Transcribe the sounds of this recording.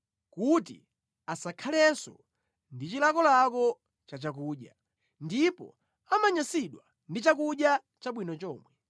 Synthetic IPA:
kutḭ | asakʰalɛsɔ̰ | ndit͡ʃilakɔlakɔ | t͡ʃat͡ʃak̬uːɗja | ndipɔ̰ | amaɲasiɗwa | ndit͡ʃakuɗja | t͡ʃaɓwinɔt͡ʃɔːmwɛ

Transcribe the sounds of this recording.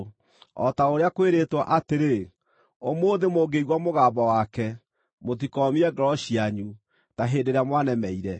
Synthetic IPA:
ɔ̰taoɾeakweɾeːtwaʔateɾe | omoːðemoːɡeiɣwamoɣaːbawakɛ | mot̬ikɔːmiɛɡɔɾɔɕiaɲu | taɦeːndeɾamwanɛmɛiɾɛ

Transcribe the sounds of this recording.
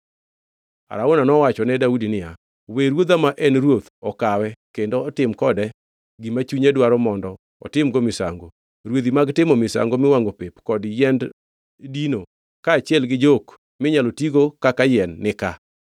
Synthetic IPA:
a̰ɾaonanɔwat͡ʃɔnɛdaudinɪja | weɾwod̪amaʔɛnɾwot̪ɔkawɛkendoɔtɪmkɔdɛ | ɡimat͡ʃuɲedwaɾɔmɔndɔ | ɔ̰tɪmɡomɪsa̰ŋɡo | ɾwod̪imaɡtɪmomɪsa̰ŋɡomɪwaŋɡopepkɔdjɛnd | dino | kaːt͡ʃɪɛlɡɪd͡ʒok | mɪɲalotiɡokakajɛnːɪka

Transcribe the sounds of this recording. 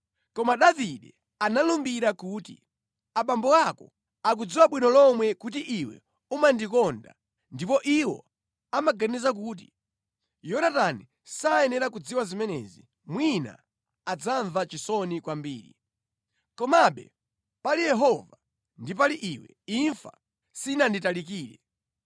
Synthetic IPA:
kɔmaɗaviɗɛ | analumbiɾakuːtḭ | aɓambɔakɔ | ak̬ud͡ziwaɓwinɔlɔmwɛkut̬iʔiwɛ̰ | umandikɔnda̰ | ndipɔʔiwɔ̰ | amaɡanizak̬uːt̬i | jɔnatani | saɛnɛɾakud͡ziwazimɛnɛ̰zi | mwina̰ | ad͡zaɱvat͡ʃisɔnikwambiːɾḭ | kɔmaɓɛ̰ | palijɛɦɔva | ndip̬aliʔiwɛ̰ | iɱfa̰ | sinanditalikiːɾɛ̰

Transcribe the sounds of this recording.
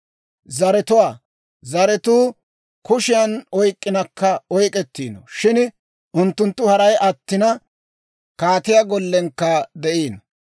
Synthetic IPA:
zɐɾɛt̪ʊwaː | zɐɾɛt̪uː | kʊʃɪjɐnɔjkʼːɪnɐkːɐɔjkʼɛt̪ːḭːnɔ̰ʃɪn | ʔʊnt̪ːʊnt̪ːʊhɐɾɐjʔɐt̪ːɪnɐ | kaːt̪ɪjɐɡɔlːɛŋkːɐd̪ɛʔiːn

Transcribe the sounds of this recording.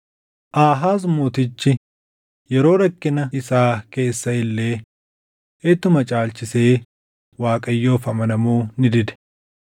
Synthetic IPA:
ʔaːɦaːs̬moːt̪ɪt͡ʃːɪ | jɛɾo̞ːɾɐkːɪnɐɪsaːke̞ːsːɐɪlːe̞ː | et̪ːʊmɐt͡ʃʼaːlt͡ʃɪse̞ː | waːkʼɐjːo̞ːfɐmɐnɐmuːnɪd̪ɪd̪ɛ̥

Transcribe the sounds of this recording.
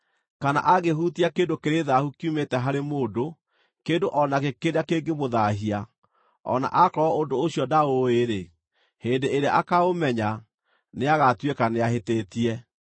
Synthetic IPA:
kana̰ʔaɣehutiakeːdokeɾeðahukiumetɛɦaɾemoːdo | keːdoʔɔnakekedakeːɡemoðaɦia | ɔ̰na̰ʔakɔɔondoːɕjɔdaoeɾe | heːndeeɾea̰ʔakaomɛɲa | neaɣatwekaneaɦeteːtiɛ

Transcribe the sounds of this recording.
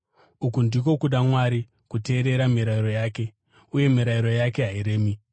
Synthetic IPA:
ukundiko̞kuɗamwaɾi | kute̞ːɾe̞ɾamiɾaiɾo̞jaːke̞ | uje̞miɾaiɾo̞jake̞ɦaiɾeːmi

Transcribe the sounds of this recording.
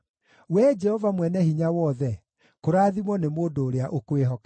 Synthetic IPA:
wɛd͡ʒɛhɔvamwɛnɛhiɲawɔðɛ | koɾaːðimɔnemoːdoːɾeaʔokoeɦɔka

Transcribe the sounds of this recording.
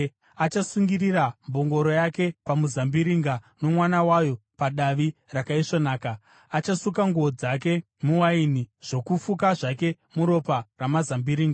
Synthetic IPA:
at͡ʃasuŋɡiriɾambo̞ŋɡo̞ɾo̞jake̞pamuzambiɾiŋɡano̞mwanawajo̞paɗaʋirakaiʂonaːka | at͡ʃasukaŋɡuod͡zak̬e̞ | muwainiʐ̥o̞kufukaʐake̞ | muɾo̞paramazambiɾiːŋɡa

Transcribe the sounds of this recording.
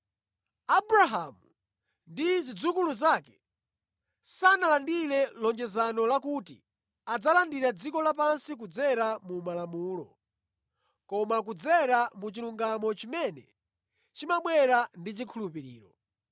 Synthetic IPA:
abɾaɦamu | ndizid͡zukuluzaːkɛ̥ | sanalandilɛlɔɲd͡ʒɛzanɔlakutḭ | ad͡zalandiɾad͡zikɔlap̬ansik̬ud͡zɛɾamumalamuːlɔ̰ | kɔmak̬ud͡zɛɾamut͡ʃiluŋɡamɔt͡ʃimɛnɛ | t͡ʃimaɓwɛɾandit͡ʃikʰulupiɾḭːɾɔ

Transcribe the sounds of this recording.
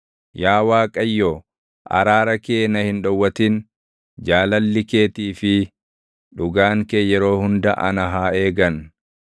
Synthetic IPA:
jaːwaːkʼɐjːo | ʔɐ̰ɾaːɾɐke̞ːnɐhɪnᶑɔwːɐt̪ɪn | d͡ʒaːlɐlːɪke̞ːt̪iːfɪ | ᶑʊɡaːŋkeːjɛɾo̞ːhʊnd̪ɐʔɐnɐɦaːe̞ːɡɐn

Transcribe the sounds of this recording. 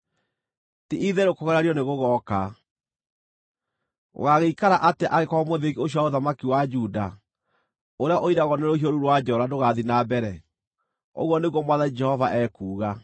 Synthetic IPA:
tiʔiðɛɾokɔɣɛɾaɾjɔneɣoɣɔka | o̰ɣaɣeikaɾaʔateʔaɣekɔɔmoðeɣioɕ̬jɔwaoðamakiwad͡ʒuda | oɾeaʔoiɾaɣɔnɛɾohijɔɾuɾwad͡ʒɔɾadoɣaðinabɛɾɛ | o̰ɣwɔneɣwɔmwaðad͡ʒɛhɔvaʔɛkuːɣa

